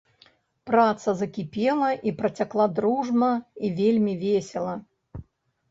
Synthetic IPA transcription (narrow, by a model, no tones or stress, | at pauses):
pɾat̪sɐzɐkʲipʲɛlˠɐʔipɾɐt͡sʲaklˠad̪ɾuʐmɐivʲelʲmʲivʲesʲɛlˠɐ